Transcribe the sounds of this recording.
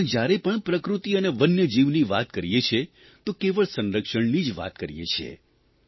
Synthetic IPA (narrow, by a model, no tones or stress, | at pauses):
d͡ʒjaɾepəɳpɾəkɾut̪iəneʋənjəd͡ʒiʋniʋat̪kəɾijet͡ʃʰe | t̪okeʋəɭsə̃nɾəkʃəɳnid͡ʒʋa̰t̪kəɾijḛt͡ʃʰḛ